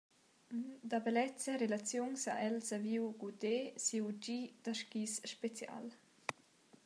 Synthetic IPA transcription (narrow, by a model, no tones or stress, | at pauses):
nd̪abelɛt͡saɾelat͡sjuŋsa̰ʔɛlsaviwɡud̪esiwd͡ʒid̪̥aʃkisʃpet͡sja̰l